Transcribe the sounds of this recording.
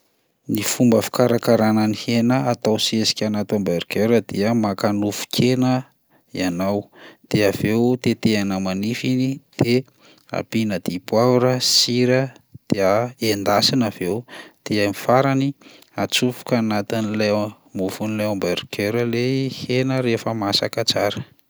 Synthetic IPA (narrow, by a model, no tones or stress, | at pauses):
nifumbəfi̥kaɾakaɾananihenəat̪awsiesi̥kʲanat̪ambeɾkeɾəd̪̥eəmakanufu̥kʰenə | ianawd̪̥eavewt̪et̪eanəmanifinid̪̥e | a̰pinəd̪̥ipwaɾəsiɾəd̪̥eəend̪asinav̥ewd̪̥eamifaɾani | at͡sufu̥kanat̪inila | muvunilajombeɾkʰeɾəlehenəɾefəmasakət͡saɾə